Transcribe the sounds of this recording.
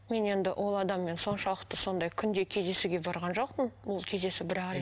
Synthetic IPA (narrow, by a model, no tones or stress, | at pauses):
me̞ne̞nd̪ɪʔo̞lˠɑd̪ɑmːe̞nso̞nʃɑlˠəqt̪əso̞nd̪ɑjkʲʰʏnd̪e̞kʲʰe̞zd̪e̞suɡʲe̞bɑɾʁɑnʒo̞q̚pənbʊlˠkʲʰe̞zd̪e̞sɪbɪɾæ